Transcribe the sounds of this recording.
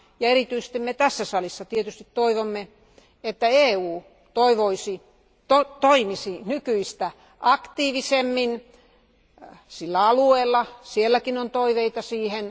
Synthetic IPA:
jɑeɾit̪yise̥st̪immet̪æsːæsɑlisːɑt̪iet̪yst̪it̪toiʋomːe | et̪ːæeːuː | t̪oiʋoisi | t̪ot̪oimisinykyist̪æ | ʔɑkt̪iːʋisemːin | silːæɑlueːlːɑsielːækinont̪oiʋeit̪ɑsiːhen

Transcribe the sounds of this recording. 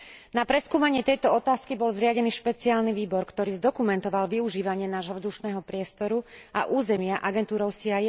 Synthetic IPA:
napɾɛskuːmaɲɪɛt̪ɛjt̪ɔɔt̪aːskibɔlzɾɪaɟɛniːʃpɛt͡siaːlniʋiːbɔɾkt̪ɔɾiːzd̪ɔkumɛnt̪ɔʋalʋiuʒiːʋaɲɪɛnaːʒɦɔvzd̪uʃnɛːɦɔpɾɪɛst̪ɔɾua̰ʔuːzɛmɪaʔaɡɛnt̪uːɾɔʊsiaj

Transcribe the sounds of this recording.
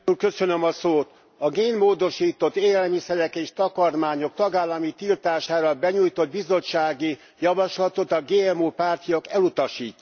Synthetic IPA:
ulkø̞sønømɒsoːt̪ | ɒɡeːnmoːd̪o̞ʃiːt̪o̞t̪ːeːlɛlmisɛɾɛkeːʃt̪ɒkɒrmaːɲo̞k̚t̪ɒɡaːlːɒmit̪ilt̪aːʃaːɾɒbɛɲuːjt̪o̞d̪̚bizo̞t͡ʃːaːɡi | jɒvɒʃlɒt̪o̞t̪ɒɡeːɛmoːpaːrt̪ijokɛlut̪ɒʃiːc̪ː

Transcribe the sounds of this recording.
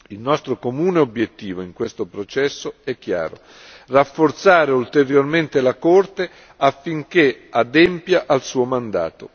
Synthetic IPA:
ilnɔst̪ɾokomuːneobjet̪ːiːvoiŋkwest̪opɾot͡ʃɛsːoɛk̟ːja̰ːɾo̰ | rafːort̪saːɾeult̪eɾjorment̪elakort̪e | afːiŋk̟ead̪ɛmpjaʔalsuːomand̪a̰ːt̪o

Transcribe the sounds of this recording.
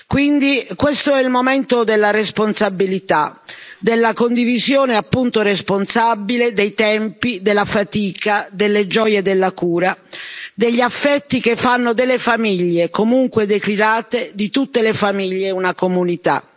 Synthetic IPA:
kwind̪ikwest̪oɛilmoment̪od̪elːaresponsabilit̪ad̪elːakond̪ivizjɔːneapːunt̪oresponsabiled̪ejt̪ɛmpid̪elːafat̪iːkad̪elːed͡ʒɔjed̪elːakuːɾad̪eʎːiafːɛt̪ːik̟efːanːod̪elːefamiʎːekomuŋkwed̪ekliɾaːt̪ed̪it̪ut̪ːelefamiʎːeunakomunit̪a̰

